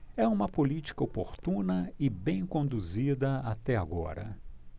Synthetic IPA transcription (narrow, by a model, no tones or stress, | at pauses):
ɛũmɐpolit͡ʃi̥kɐopoɾt̪ũnɐɪbẽj̃kõnd̪uzid̪ɐat̪ɛaɡɔ̰ɾɐ̰